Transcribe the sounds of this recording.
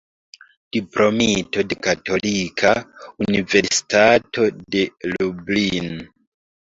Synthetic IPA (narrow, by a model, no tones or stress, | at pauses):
d̥ipɾo̞mito̞de̞kato̞likʰaunive̞ɾsi̥tatʰo̞de̞lublin